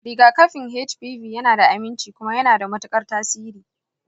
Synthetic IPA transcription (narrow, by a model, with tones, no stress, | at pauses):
ɽɪ˦˨ɡaː˦kɐ˦ɸɪ˨ŋɦe˦t͡ʃbiː˦ɸiː˨jɐ˦naː˨da˨ʔa˨mɪ˦nt͡ʃiː˨kʷʊ˦ma˦jɐ˦naː˨da˨mɐ˦tʊ˦kʼɐ˦rtaː˦siː˦ɾiː˨